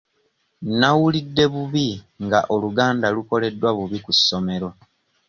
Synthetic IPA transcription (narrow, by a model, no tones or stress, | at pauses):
nawulidːe̞βuβi | ŋɡaʔo̞luɡaːndaluko̞le̞dːwaβuβikusːo̞me̞ɾo̞